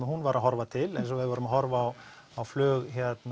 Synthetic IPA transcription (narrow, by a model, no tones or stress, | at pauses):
ɪhunvaɾʔaɦɔɾvat̪ʰɪlɛjnsɔvɪðvɔːɾʏmaɦɔɾvaːw | awflœːɣçɛt̪n